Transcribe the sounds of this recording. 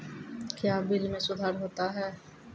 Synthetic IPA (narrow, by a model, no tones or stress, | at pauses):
kjaːbɪlmẽsʊd̪ʱaːɾɦoːt̪aɦɛː